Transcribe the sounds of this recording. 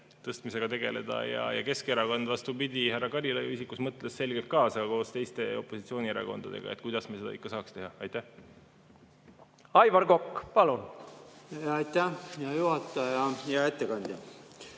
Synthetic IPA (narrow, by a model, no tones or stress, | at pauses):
t̪ɤst̪mise̞ɡ̥ɑt̪e̞ɡ̥e̞le̞̰d̪̥ɑ̰jɑ̰jɑ̰ke̞skeɾɑkond̪̥vɑst̪upid̪̥ʲihærːɑkɑɾʲilejṵisikːusmɤt̪ːˑlesːe̞lɡ̥e̞lt̪̚kɑːsɑko̞ːst̪e̞jst̪e̞o̞pːˑosit̪sio̞ːnʲieɾɑ̰ko̞̰nd̪̥ɑd̪̥e̞ɡ̥ɑ̰et̪̚kujd̪̥ɑsmese̞d̪ɑ̰ikːɑsɑːkst̪e̞ɦɑɑjt̪ːæh | ɑjvɑɾɡokːpɑlun | ɑjt̪æjɑjuhɑt̪ˑːɑjɑjɑet̪ːekɑnʲd̪̥ʲjɑ